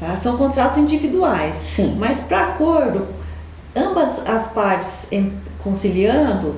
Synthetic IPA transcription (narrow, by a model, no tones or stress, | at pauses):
t̪asɐ̃w̃kõt̪ɾat̪ʊzĩd͡ʒivid̪uajssĩmɐspɾɐːkoɾd̪ʊ | ɐ̃bɐzɐspaɾt͡ʃɪ̥sẽ | kõsiliɐ̃nd̪ʊ